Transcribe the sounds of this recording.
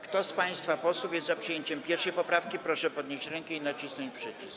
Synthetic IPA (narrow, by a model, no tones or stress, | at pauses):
kt̪ɔspaj̃st̪fapɔswuvʲjɛzzapʂɨjeɲt͡ɕɛmpʲjɛɾfʂɛjpɔpɾafkʲipɾɔʂɛpɔd̪̚ɲeɕt͡ɕɾɛŋkɛinat͡ɕisnɔɲt͡ɕpʂɘt͡ɕis